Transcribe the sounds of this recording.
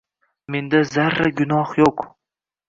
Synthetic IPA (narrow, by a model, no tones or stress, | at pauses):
me̞nd̪azaɾːaɡʊnɒhjoq